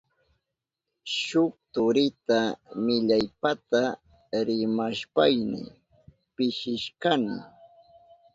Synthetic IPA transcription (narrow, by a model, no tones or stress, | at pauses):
ʃʊk̚t̪ʊɾɪt̪amɪʎajpat̪a | ɾɪmaʃpajnɪ̰ | pɪʃɪʃkanɪ̰